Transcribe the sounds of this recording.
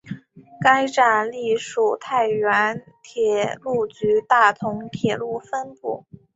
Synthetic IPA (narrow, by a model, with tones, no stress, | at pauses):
ka˥ɪʈ͡ʂa˨˩nli˥˩ʂu˨˩t̪ʰa˥˩ɪɥɛ˧˥n | t̪ʰjɛ˨˩lu˥˩t͡ɕy˧˥t̪a˥˩t̪ʰʊ˧˥ŋt̪ʰjɛ˨˩lu˥˩fə˥npṵ˥˩